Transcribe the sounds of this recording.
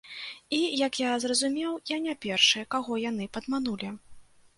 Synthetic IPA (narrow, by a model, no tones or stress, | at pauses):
ijɐkjazrɐzumʲɛwjanʲapʲɛrʂɨjɛkaɣɔjanɨpɐd̪manulʲi